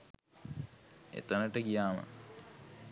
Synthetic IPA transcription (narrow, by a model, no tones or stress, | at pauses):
ḛt̪ənəʈəɡijaːmə̰